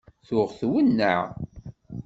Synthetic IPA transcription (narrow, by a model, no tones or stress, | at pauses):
θʊʁθwənːə̰ʕ